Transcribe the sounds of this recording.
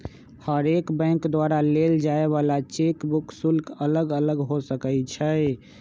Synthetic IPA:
həɾekbə̃ɪ̃ŋkd̪waɾaleld͡ʒaeβalat͡ʃekbuksulkələɡələɡɦosəkɛt͡ʃʰɛ

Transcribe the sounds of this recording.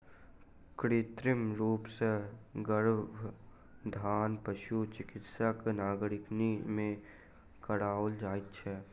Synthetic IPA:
kɾɪt̪ɾɪmɾuːpseɡəɾbʱ | d̪ʱaːnpəʃut͡ʃɪkɪt̪səknaːɡɾɪknimẽ | kəɽaːld͡ʒaːit̪t͡ʃʰɛ

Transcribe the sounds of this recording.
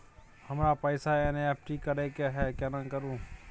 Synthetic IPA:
həmɾapəɪsaeneep̚ʰʈikəɾekeɦɛkenãkəɾũː

